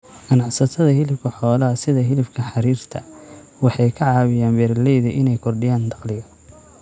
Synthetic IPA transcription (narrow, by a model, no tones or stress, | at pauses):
ʔɐnɑʕsɐt̪ʰɐðɐhɪlɪfkʰɐħɔːlɐɐsɪðɐɦɪlɪfkʰɐħɑɾiːrt̪ʰɐ | wɑħɑjkʰɐʕɑːβɪjaːnbɛːɾlɛjðɐʔɪnɛjkʰɔrɖɪjaːnd̪ɑqlɪɣɐ